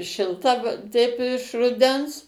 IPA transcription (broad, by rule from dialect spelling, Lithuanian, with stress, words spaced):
ʃʲɪlˠˈtɐ ˈtʲɛɪp ɪʃ rʊˈdʲɛns